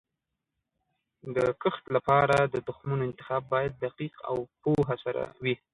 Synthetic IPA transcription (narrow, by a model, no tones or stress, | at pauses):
d̪əkəxt̪lapɑɾad̪əd̪ʊxmunoɪnt̪ɪxɑbːɑjad̪̚ːaqiqa̰wpoɦasaɾa̰wi